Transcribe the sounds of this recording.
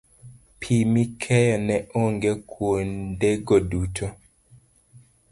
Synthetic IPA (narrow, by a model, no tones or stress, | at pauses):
pʰimikʰɛjɔnɛʔoŋɡekʰwondeɡodutʰo